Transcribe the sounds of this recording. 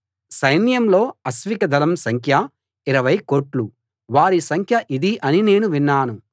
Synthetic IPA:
sɐjnijɐmlo̞ːɐsʋikɐd̪ʱɐlɐmsɐŋkʰjɐ | iɾɐʋɐjkoːʈlu | ʋaːɾisɐŋkʰjɐʔid̪iʔɐnine̞ːnuʋinːaːnu

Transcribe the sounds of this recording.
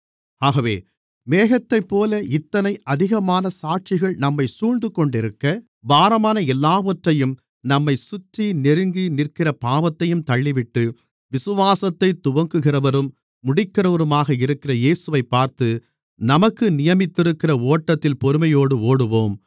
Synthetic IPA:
aːɣɐʋḛː | meːɣɐt̪ːɐɪpːoːlɐʔɪt̪ːɐnɐɪʔɐðɪɣɐmaːnɐsaːʈ̚t͡ʃɪɣɐɭnɐmːɐɪsuːɻnd̪ɯkːɔɳɖɪɾɯkːɐ | baːɾɐmaːnɐɛlːaːʋɐʈrɐjɯm | nɐmːɐɪsʊt̪ːinɪɾɯŋɡinɪrkɪrɐpaːʋɐt̪ːɐjɯmt̪ɐɭːɪʋɪʈːɯ | ʋɪsɯʋaːsɐt̪ːɐɪt̪ʊʋɐŋɡɯɣɪrɐʋɐɾɯmː | ʊɽɪkːɪrɐʋɐɾɯmaːɣɐɪɾɯkːɪrɐjeːsɯʋɐɪpːaːɾt̪ɯ | nɐmɐkːɯnɪjɐmɪt̪ːɪɾɯkːɪrɐoːʈːɐt̪ːɪlpɔɾɯmɐjoːɽɯoːɽɯʋoːm

